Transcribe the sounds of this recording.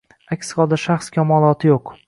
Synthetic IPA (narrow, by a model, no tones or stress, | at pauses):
akʲsqɒd̪aʃaχskʲʰamɒlˠɒt̪ʰɪjoq